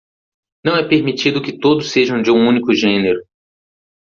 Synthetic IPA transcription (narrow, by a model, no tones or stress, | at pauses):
nɐ̃w̃ɛpeɾmit͡ʃid̪ʊkɪt̪od̪ʊsːeʒɐ̃w̃d͡ʒɪũũnikʊʒẽneɾʊ